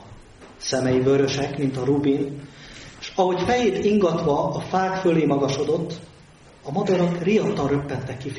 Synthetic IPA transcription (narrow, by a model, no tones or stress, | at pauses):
sɛmɛjivø̞ɾø̞ʃɛkmint̪ɒɾubin | ʃɒɦo̞cfɛjeːt̪iŋɡɒt̪ʋɒːfaːkføleːmɒɡɒʃo̞d̪o̞t̪ː | ɒmɒd̪ɒɾɒkriɒt̪ɒrøpːɛt̪ːɛkːif